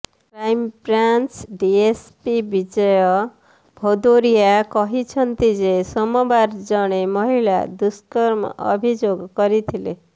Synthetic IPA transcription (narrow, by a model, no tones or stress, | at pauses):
pɾaimpɾant͡ʃɖiespibid͡ʒɔjɔ | bʱod̪oɾijakɔɦit͡ʃʰʌnt̪id͡ʒesɔmɔbaɾd͡ʒɔɽ̃emɔɦiɭa̰d̪uskɔɾmɔ̰ʔɔ̰bʱid͡ʒoɡkɔɾit̪ʰile